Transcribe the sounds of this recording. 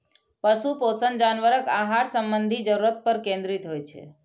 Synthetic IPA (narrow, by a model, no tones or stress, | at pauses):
pəsuposənd͡ʒanʋəɾəkaɦaɽsəmbənd̪ʱid͡ʒəɾuɾət̪̚pəɾkẽnd̪ɾit̪ɦojt͡ʃʰḛ